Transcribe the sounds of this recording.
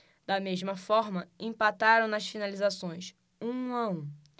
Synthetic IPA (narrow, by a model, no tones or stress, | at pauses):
d̪̥ɐmeʒmɐfɔɾmɐẽpat̪aɾɐ̃w̃nɐsfinalizasõj̃s | ũaũ